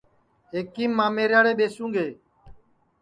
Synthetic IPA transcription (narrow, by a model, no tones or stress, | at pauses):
eːkiːmːãːmeːɾjaːɽeːɓeːsũːŋɡʱeː